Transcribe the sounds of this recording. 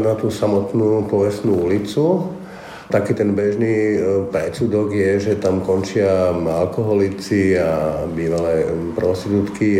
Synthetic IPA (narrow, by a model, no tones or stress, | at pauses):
nat̪uːsamɔt̪nuːpɔʋɛsnuulit͡su | t̪akiːt̪ɛnbɛʒniːpɾɛt͡sud̪ɔɡjɛʒɛt̪amkɔnt͡ʃɪaalkɔɦɔlit͡siabiːʋalɛːpɾɔst̪it̪ut̪ki